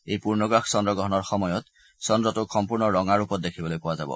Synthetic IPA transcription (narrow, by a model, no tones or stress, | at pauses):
ejpuɹnɔɡɹaksɔndɔɡɹɔɦɔnɔɹxɔmɔjɔt | sɔndɹɔtʊxʰɔmpuɹnɔɹɔŋaɹupɔt̚dekʰibɔlojpʊwazabɔ̰